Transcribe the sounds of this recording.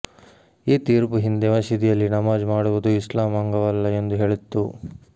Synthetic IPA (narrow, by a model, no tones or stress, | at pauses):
iːt̪iːɾpuɦind̪emɐʃid̪ijɐlːinɐmaːd͡ʒmaːɽuʋud̪uislaːmɐŋɡɐʋɐlːɐe̞nd̪uɦe̞ːɭit̪ːu